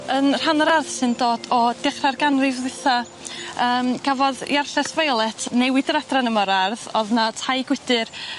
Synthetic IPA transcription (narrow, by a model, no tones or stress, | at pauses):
ənr̥anɔɾarð̥sɨndoːdɔd̥ɪχrarɡanrɨvðɪθa | əːmɡ̥avɔðj̰arɬɛsvajlˠɛtʰnɛwɪdəɾadranəmɔɾarðɔðnatʰajɡ̥wɪd̥ɨr